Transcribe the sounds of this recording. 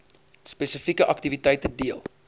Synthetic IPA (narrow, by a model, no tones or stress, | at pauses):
spɛsəfikəʔɐk̚tivitəjtədiəlˠ